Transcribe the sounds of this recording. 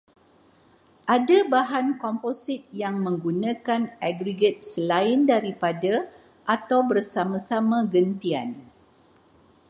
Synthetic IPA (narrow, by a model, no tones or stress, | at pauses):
ʔadabaɦankɔmposɪt̪̚jaŋmə̃ŋɡunãkanʔaɡɾiɡət̪̚səlaɪndaɾipada | ʔat̪awbərsamãsamãɡənt̪ian